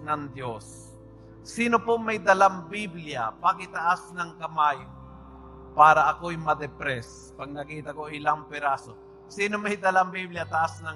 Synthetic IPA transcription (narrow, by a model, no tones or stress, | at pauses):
nɐŋd̪jos | siːnopomɐjd̪ɐlaŋbiblɪjapaɡɪt̪ɐʔasnɐŋkɐmaj | paːɾɐʔɐkojmɐd̪ɛpɾɛs | pɐɡ̚nɐkiːt̪ɐkoʔɪlaŋpɛɾaːso | siːnomɐjd̪ɐlambibljat̪aʔasnɐ